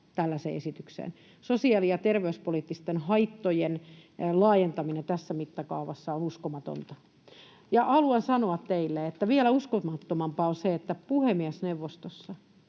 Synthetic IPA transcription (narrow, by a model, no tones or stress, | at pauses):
t̪ælːæsḛesit̪yksḛn | sosiɑlijɑt̪erʋeyspoliːˑt̪ːist̪enhɑit̪ːojenlɑːjent̪ɑminent̪æsːæmit̪ːɑkɑuʋɑsːɑonuskomɑt̪o̰nt̪ɑ | jɑʔɑluensɑnoɑt̪t̪eilːeet̪ːæʋiælæuskomɑt̪ːomɑmpɑonseet̪ːæpuhemiæsneʋːost̪osːɑ